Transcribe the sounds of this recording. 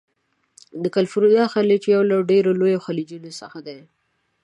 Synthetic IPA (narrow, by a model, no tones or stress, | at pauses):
d̪əkalfuɾud̪ɑxalit͡ʃjawlaɖeɾolojoxalid͡ʒunosəxad̪a